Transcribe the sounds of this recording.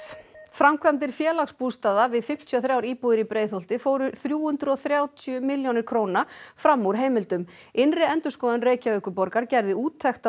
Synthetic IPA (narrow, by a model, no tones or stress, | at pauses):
fɾamkʰvɛmt̪ɪɾ̥fjɛːlakspuːst̪aːðavɪðfɪm̥t̪ʰjiɔθɾjawɾiːpuːðɪɾipɾeːjθowl̥t̪ɪfoːwɾʏθɾjuːhʏnt̪ɾɔθɾjaːwt̪ʰjʏmɪljownɪɾ̥kʰɾoːwnafɾamːuɾ̥ɦeːjmɪlt̪ʏm | ɪnrɪɛnt̪ʏ̥skɔːðʏnreːjcaœkʏpɔɾkaɾcɛɾðɪuːt̪ʰːɛxt̪a